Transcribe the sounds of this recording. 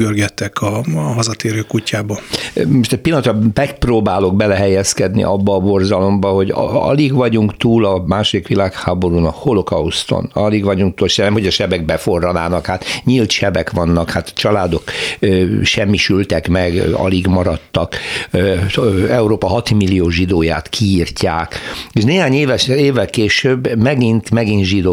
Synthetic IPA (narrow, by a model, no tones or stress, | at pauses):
ɡørɡɛt̪ːɛkʰɒɦɒzɒt̪eːɾøːkucːaːbɒmoʃt̪ɛc̚pilːɒnt̪ɒmɛk̚proːbaːlo̞ɡ̚bɛlɛɦɛjɛskɛd̪nḭʔɒbːɒːbo̞rzɒlo̞mbɒɦo̞ɟɒ̰liɡʋɒɟuŋkt̪uːlɒmaːʃod̪ikʋilaːkhaːbo̞ɾunɒkholo̞kɒust̪o̰nɒliɡʋɒɟuŋk̚t̪uːlʃɛnɛmho̞ɟɒʃɛbɛɡ̚bɛfo̞rːɒlaːnɒkhaːt̪ɲilt̪ʃɛbɛkʋɒnːɒkhaːt̪t͡ʃɒlaːd̪o̞kː | ʃɛmːiʃylt̪ɛkmɛɡɒ̰liɡmɒɾɒt̪ːɒk | ɛuɾoːpɒɦɒt̪imilːijoːʒid̪oːja̰ːt̪kʰiːrcaːkeʃneːɦaːɲeːvɛeːvːɛlkeːʃøːbːmɛɡint̪mɛɡinʒid̪oː